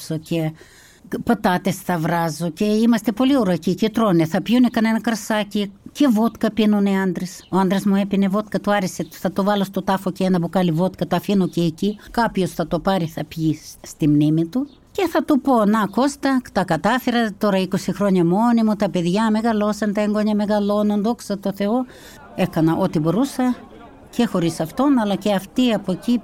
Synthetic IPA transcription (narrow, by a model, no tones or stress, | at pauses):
soce | pɐt̪ɐt̪e̞sθɐvɾɐzoceimɐst̪epo̞liuɾocicit̪ɾoneθɐpʝunekɐne̞nɐkɐɾsɐcice̞vot̪kɐpinoneɐnd̪ɾesoɐnd̪ɾezmuepine̞vo̞t̪kɐt̪uɐɾeseθɐt̪ovɐlost̪ot̪ɐfo̞ceenɐpukɐlivo̞t̪kɐt̪oɐfinoceːcikɐpço̞sθɐt̪opɐɾiθɐpʝist̪imnimit̪u | ce̞θɐt̪upo̞nɐko̞st̪ɐt̪ɐkɐt̪ɐfeɾɐt̪o̞ɾɐiko̞sixɾo̞ɲɐmo̞nimut̪ɐpe̞ðjɐme̞ɣɐlo̞sɐnt̪ɐeŋɡoɲɐme̞ɣɐlo̞nond̪o̞ksɐt̪o̞θe̞o | e̞kɐnɐʔo̞t̪ibo̞ɾusɐ | ce̞xo̞ɾisɐft̪o̞nɐlɐceɐft̪iɐpoci